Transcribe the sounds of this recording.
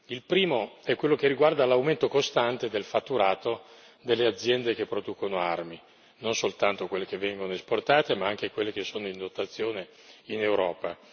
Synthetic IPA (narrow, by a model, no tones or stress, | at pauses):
ilpɾiːmoɛkːwelːok̟erːiɡward̪alawment̪okost̪ant̪ed̪elfat̪ːuɾaːt̪o | d̪elːead̪zːjɛnd̪ek̟epːɾod̪uːkonoarmi | nonsolt̪ant̪okwelːek̟evːɛŋɡonoesport̪aːt̪emaaŋk̟ekwelːekesːoːnoind̪ot̪ːat̪sːjoːne | inewɾɔːpa